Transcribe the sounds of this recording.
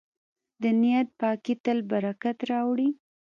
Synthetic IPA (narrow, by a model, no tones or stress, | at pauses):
d̪ənijat̪̚pɑkit̪əlbaɾakat̪ɾɑwɽi